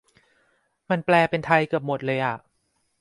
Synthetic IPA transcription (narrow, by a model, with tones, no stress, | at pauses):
ma˧nplɛː˧pe˧nt̪ʰa˧jkɯ˨˩əp̚mo˨˩t̪̚lɤː˧jʔa˨˩ʔ